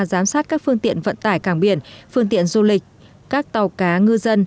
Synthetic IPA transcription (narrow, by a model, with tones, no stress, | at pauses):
zaː˨˦msaː˦˥t̚kaː˦˥k̚fɨ˧əŋt̪ḭ˧˨ənvə̰˧˨nt̪aː˧˩jkaː˧˩ŋɓi˧˩ənfɨ˧əŋt̪ḭ˧˨ənzu˧lï˨˩k̟̚ | kaː˦˥k̚t̪a˨˩wkaː˨˦ŋɨ˧zə˧n